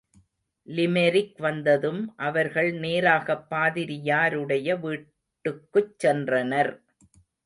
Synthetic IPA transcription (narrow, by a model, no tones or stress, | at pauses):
lɪmɛɾɪkʋɐnd̪ɐðɯmʔɐʋɐɾɣɐɭneːɾaːɣɐpːaːðɪɾɪjaːɾɯɽɐjɐʋiː | ʈːɯkːɯt͡ʃːɛndrɐnɐɾ